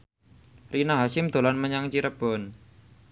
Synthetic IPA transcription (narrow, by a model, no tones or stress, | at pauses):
rinaɦasɪmd̪̥o̤lanməɲaŋt͡ʃiɾəb̥ɔ̤n